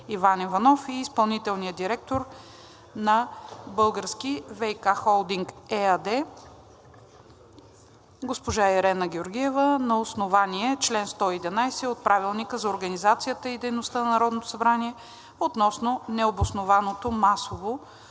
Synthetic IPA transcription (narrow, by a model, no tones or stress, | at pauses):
ivanivɐnɔfiːspɐlˠnit̪ɛlˠnijəd̪iɾɛk̚t̪oɾ | nɐbɤlˠɡəɾskivɛjkaxɔlˠd̪iŋkɛɐd̪ɛ | ɡospoʒaɛɾɛnəɡʲɛoɾɡʲiɛvənɐosnovaniɛt͡ʃlɛnst̪ɔid̪ɛnajsɛot̪̚pɾavilˠnikəzɐoɾɡənizat̪sijət̪əid̪ɛjnost̪ənɐnɐɾɔd̪not̪o̥sɐbɾaniɛ | ot̪nɔsnonɛobosnovanot̪omasovo